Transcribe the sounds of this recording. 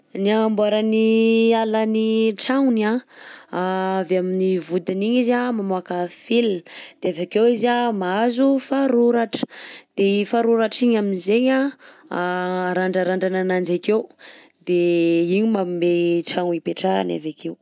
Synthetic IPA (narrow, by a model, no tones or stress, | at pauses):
niambuaɾanialəniʈ͡ʂaŋnaaveaminivud̪iniɲizamamoakafilnd̪̥eavakewizamaazufaɾuɾaʈ͡ʂə̥d̪̥efaɾuɾaʈ͡ʂiɲaminizeɲaaɾaɳɖ͡ʐaɾaɳɖ͡ʐananand͡ʒakew | d̪eiɲimameʈ͡ʂaŋipeʈ͡ʂa̰na̰vakʰew